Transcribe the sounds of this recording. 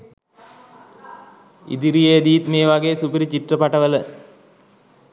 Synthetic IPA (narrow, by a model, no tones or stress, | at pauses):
ḭd̪iɾijed̪ijːt̪meːʋaɡeːsupiɾit͡ɕiʈrəpaʈəʋələ